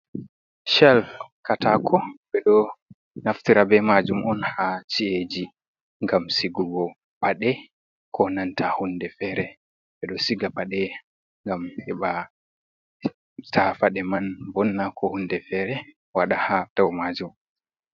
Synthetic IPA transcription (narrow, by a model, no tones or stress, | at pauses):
ʃɛlkatakʰɔɓɛɗɔ | naftiɾabɛmad͡ʒumʔɔnhat͡ʃied͡ʒi | ŋɡamsiɡuɡɔ | paɗɛ | kʰɔnantʰahundɛfɛɾɛ | ɓɛɗɔsiɡapaɗɛ | ŋɡamhɛɓa | tʰafaɗɛmanbɔnːakʰɔhundɛfɛɾɛ | waɗahad̥ɔwmad͡ʒum